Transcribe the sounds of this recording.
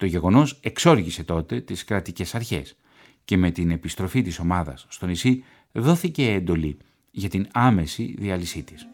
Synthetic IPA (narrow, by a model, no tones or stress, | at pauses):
t̪o̞ʝe̞ɣo̞no̞se̞kso̞ɾʝise̞t̪o̞t̪e̞t̪iskɾɐt̪ice̞sɐɾçe̞̰s | ce̞me̞t̪ine̞pist̪ɾo̞fit̪iso̞mɐðɐ̰sːt̪o̞nisi | ðo̞θice̞ːnd̪o̞li | ʝɐt̪inɐme̞sḭðiɐlisit̪is